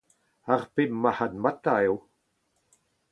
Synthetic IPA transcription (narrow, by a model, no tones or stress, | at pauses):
aʁpɪmːahad̪mat̪aew